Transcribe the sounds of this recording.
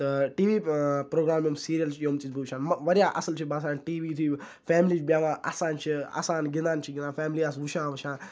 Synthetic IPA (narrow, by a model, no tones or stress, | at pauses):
t̪ɨʈiːʋiːpɾoːɡɾaːmːɐmsiːɾijɐlt͡ʃʰijoːmt̪isbʱɐʋt͡ʃʰãːnmɐʋɐɾjaːʔɐsɐlt͡ʃʰibaːs̬aːnʈiːʋiːt̪ʰi | fɛːmliːt͡ʃbʲjaːʋãːʔa̰sãːnt͡ʃʰiɐ̰sãːnɡind̪aːnt͡ʃʰiɡinaːfɛːmliaːs̬ʋuʃãːʋɐʃãːn